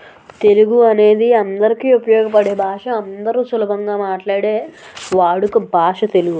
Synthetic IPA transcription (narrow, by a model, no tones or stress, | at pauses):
t̪e̞luɡuɐne̞ːd̪iɐnd̪ɐɾikiːupɐjɔːɡɐpɐɽeːbʱaːʂɐɐnd̪ɐɾuːsulɐbʱɐŋɡaːmaːʈlaːɽeː | ʋaːɽukubʱaːʂɐt̪e̞luɡu